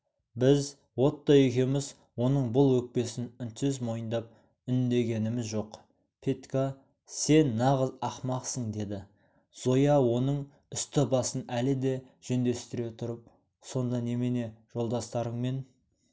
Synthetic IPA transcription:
bɪz | wo̞t̪ːɑekʲe̞mɪz | wo̞nəɴbʊlˠwɵk̚pe̞sɪnʏnt̪sɪzmo̞jənd̪ɑp̚ | ʏnd̪e̞ɡʲe̞nɪmɪzʒo̞q | pʰet̪ka | se̞nːɑʁəzɑχmɑqsəɴd̪e̞d̪ɪ | z̥o̞jɑwo̞nəɴ | ʏst̪ɪbɑsənælɪd̪e̞ | ʒ̥ɵnd̪e̞st̪ɪɾe̞t̪ʰʊɾəp̚ | so̞nd̪ɑne̞mene̞ʒ̥o̞lˠd̪ɑst̪ɑɾəɴme̞n

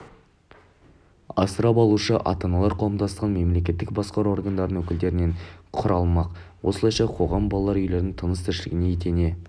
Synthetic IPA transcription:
ɑ̰səɾɑpɑlˠuʃəʔɑ̰t̪ɑnɑlˠɑɾqʰɑwəmd̪ɑsʁɑnme̞mle̞kʲe̞t̪ːɪk̚bɑsqɑɾo̞rɡand̪ɑɾd̪ənwɵkʲɪld̪e̞ɾɪne̞ɴqʰʊɾɑlˠmɑq | wo̞slˠɑjʃɑqʰo̞ʁɑmbɑlˠɑlˠɑɾʏjle̞ɾnɪŋt̪ʰənəst̪ʰɪɾʃɪlɪɡʲɪne̞et̪ene̞

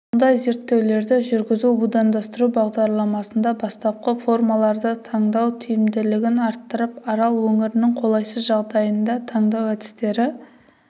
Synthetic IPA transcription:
mʊnd̪ɑjze̞ɾt̪ːe̞wle̞ɾd̪ɪʒʏɾɡʲɪzubud̪ɑnd̪ɑst̪əɾubɑʁd̪ɑɾlˠɑmɑsənd̪ɑbɑst̪ɑp̚qəfo̞rmɑlˠɑɾd̪ət̪ʰɑɴd̪ɑwt̪ʰijɪmd̪ɪlɪɡʲɪnɑɾt̪ːəɾəpɑɾɑlˠwɵŋɪɾɪnɪŋqʰo̞lˠɑjsəzʒɑʁd̪ɑjənd̪ɑt̪ʰɑɴd̪ɑwæd̪ɪ̥st̪e̞ɾɪ

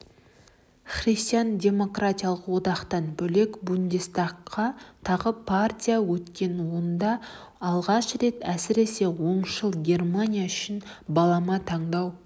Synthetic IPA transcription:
χrist̪ʲijandʲe̞mo̞krat̪ʲijɑlˠəqwo̞d̪ɑqt̪ɑnbɵle̞kbund̪ʲest̪aqʰːɑt̪ʰɑʁəpʰart̪ʲijawɵt̪kʲe̞nwo̞nd̪ɑː | lˠʁɑʃɾe̞t̪æsɪɾe̞se̞wo̞ɴʃəlˠɡʲe̞rmanʲijaʏʃɪnbɑlˠɑmɑt̪ʰɑɴd̪ɑw

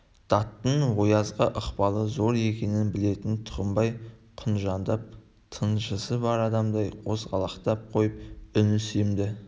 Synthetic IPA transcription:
d̪̥ɑt̪ːəɴwo̞jɑzʁəʔəqpɑlˠəzo̞ɾe̞kʲe̞nɪnbɪle̞t̪ɪnt̪ʰʊ̥ɾəmbɑjqʰʊnʒɑnd̪ɑp̚ | t̪ʰənʒəsəbɑɾɑd̪ɑmd̪ɑjqʰo̞sʁɑlˠɑqt̪ɑp̚qʰo̞jəp̚ʏnɪsemd̪ɪ

